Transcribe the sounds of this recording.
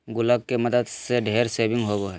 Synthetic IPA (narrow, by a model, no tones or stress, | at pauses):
ɡʊləɡ̚kemɐd̪əd̪seɖʱeːɾseːbɪ̃ŋɡɦoɡoɦɛː